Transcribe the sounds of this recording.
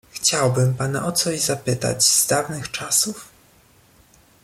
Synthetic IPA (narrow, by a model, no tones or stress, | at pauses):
xt͡ɕawbɘmpana̰ʔɔt̪sɔʑzapɘt̪a̰d͡ʑz̥d̪avnɘxt͡ʂasuf